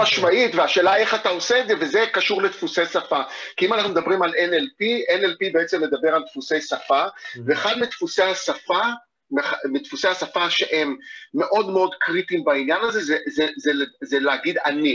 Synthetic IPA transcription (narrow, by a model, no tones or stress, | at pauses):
aʃmaitveaʃe̞ːlae̞χat̪ao̞seedzevezekaʃuʁlet̪fusejsafakiimanaχnumd̪abʁimalenelpienelpibeet͡se̞mled̪abe̞ʁalt̪fusejsafaveːχad̪mit̪fusejhasafa | memit̪fusehasafaʃeʔemːe̞ʔo̞d̪meo̞d̪kʁitimbainjanaze̞zezezezeleaɡid̪ani